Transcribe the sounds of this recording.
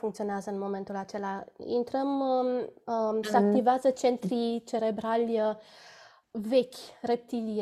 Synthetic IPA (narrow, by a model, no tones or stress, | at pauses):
fuŋkt̪io̞neazəɨnmo̞me̞nt̪ulat͡ʃe̞laḭnt̪ɾəm | səak̚t̪iveazət͡ʃe̞nt̪ɾit͡ʃe̞ɾe̞bɾalʲ | ve̞kʲre̞p̚t̪ilij